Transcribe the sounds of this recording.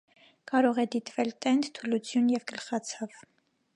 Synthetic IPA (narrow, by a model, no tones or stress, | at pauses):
kɑɾɔʁɛd̪it̪vɛlt̪ɛnd̪t̪ʰulut͡sʰjunjɛvkəlχɑt͡sʰɑv